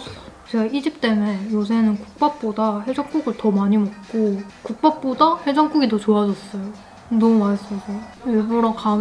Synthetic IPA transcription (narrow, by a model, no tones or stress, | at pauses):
t͡ɕeɡaʔid͡ʑip̚t͈e̞mejos̬ʰenɯnkuk̚p͈ap̚p͈odaɸed͡ʑʌŋk͈uɡɯɭtʌmaɲimʌk̚k͈okuk̚p͈ap̚p͈odaɸed͡ʑʌŋk͈uɡidot͡ɕoad͡ʑʌs͈ʌjo | nʌmumaɭs͈ʌɡoʌɾʌnka